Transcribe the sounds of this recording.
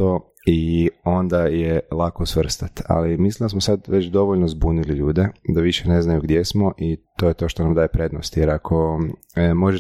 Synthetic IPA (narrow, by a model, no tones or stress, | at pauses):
o | io̞nd̪ajelˠakosʋr̩st̪at̪a̰limislimnd̪asmosad̪ʋe̞t͡ɕd̪o̞ʋoʎnozbuniliʎuːd̪ed̪aʋiʃene̞znajuɡd̪je̞smoʔit̪ojet̪o̞ʃt̪onamd̪aːje̞pɾe̞d̪no̰st̪jeɾakʰo̞ | mo̞ʒe